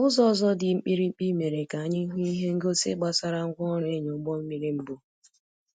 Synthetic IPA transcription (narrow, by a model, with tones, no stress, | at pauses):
ʊ˦zɔ˦zɔ˦dɪ˨m̩˦k͡pi˦ɾi˦m̩˦k͡pi˦me˨ɾe˨ka˨a˦ɲɪ˦ŋ̩˦ɦu˦i˦ɦe˦ŋ̩˦ɡo˦sḛ˦ɡ͡ba˨sa˦ɾa˦ŋ̩˦kʷɔ˦ɔ˦ɾe˦ɲo˨˦ɡ͡bɔ˦m̩˦mi˦ɾi˦m̩˦bʊ˦